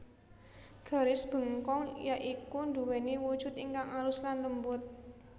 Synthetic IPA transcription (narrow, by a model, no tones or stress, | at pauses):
ɡ̥a̤ɾɪsb̥ə̤ŋkɔŋjaʔikunɖṳwɛniwud̥ʒ̥ʊ̤t̪iŋkaŋalʊslanləmbʊt̪̚